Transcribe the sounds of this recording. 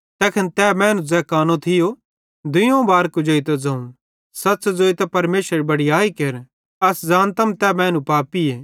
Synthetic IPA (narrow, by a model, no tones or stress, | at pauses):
t̪ɛːkʰɐnt̪ɛːmɛ̃ːnũd͡zɛːkaːnõt̪ʰɪjo | d̪ʊjõbaːɾkud͡ʒoːit̪ɐd͡zɐ̃ːũ | sɐt̪ːsd͡zoːit̪ɐpɐɾmeːʃəɾbɐɽijaːikeɾ | ɐsd͡zaːnt̪ɐmt̪ɛmɛ̃ːnũpaːpieː